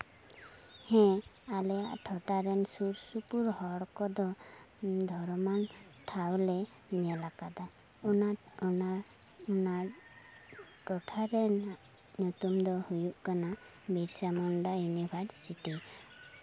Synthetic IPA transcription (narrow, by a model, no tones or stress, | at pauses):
hɛ̃alɛaʔʈʰɔʈaɾɛnsuɾsupuɾhɔɽkɔd̪ɔ | d̪ʱɔɾmanʈʰawlɛ | nɛlakad̪a | nan | ɔna | ʈɔʈʰaɾɛn | nut̪umd̪ɔhujuʔkana | biɾsamɔɳɖajunibʱaɖsiʈi